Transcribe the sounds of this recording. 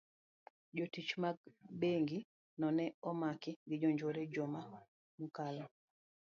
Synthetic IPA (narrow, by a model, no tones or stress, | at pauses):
d͡ʒɔtit͡ʃmaɡbeŋɡi | nɔnɛɔmakɪŋɡɪd͡ʒɔɲd͡ʒoɾɛd͡ʒɔma | mukalɔ